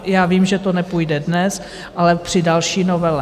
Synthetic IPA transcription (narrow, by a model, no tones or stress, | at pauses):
jaːviːmʒɛt̪onɛpujdɛdnɛs | ʔalɛpr̝̥ɪdalʃiːnovɛlɛ